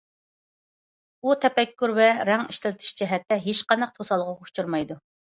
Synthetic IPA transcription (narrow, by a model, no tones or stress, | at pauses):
ut̪ʰɛpɛkʲːyɾvɛɾɛŋiʃt̪ɪlɪt̪ʰɪ̥ʃt͡ʃʰiɦɛt̪ːɛɦet͡ʃqɑnɑq̚t̪ʰosɑlˠʁɑuʃt͡ʃuɾmɑjd̪u